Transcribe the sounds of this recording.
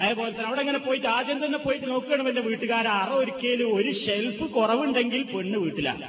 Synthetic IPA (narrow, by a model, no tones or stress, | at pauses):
ɐeːpoːlet̪ːɐnɐʋiɽeŋːɐnepoːjitːaːd͡ʑ̪jɐnt̪ɐnːepːo̞ːjiʈːɨnoːkːɨɣeːɳːɨmɐndeʋiːʈːɨɣaːɾɐɐreoɾukʲːejlɨo̞ɾuɕe̞lfɨkurɐʋuɳɖe̞ŋɡilpeɳːɨʋiːʈːilɐ̰